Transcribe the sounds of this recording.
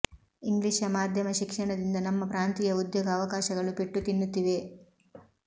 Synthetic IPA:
iŋɡliʂɐmaːd̪ʱjɐmɐʃikʂɐɳɐd̪ind̪ɐnɐmːɐpɾaːnt̪ijɐud̪joːɡɐːʋɐkaːʃɐɡɐɭupeʈːut̪inːut̪ːiʋe̞

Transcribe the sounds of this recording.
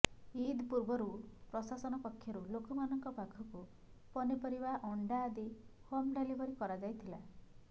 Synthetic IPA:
id̪ʱpuɾbɔɾupɾɔsasɔnɔpɔkʰːjɔɾulokɔmanɔŋkɔpakʰɔku | pɔnipɔɾibaʔɔɳɖaːd̪ihomɖelibʱɔɾikɔɾad͡ʒajt̪ʰila

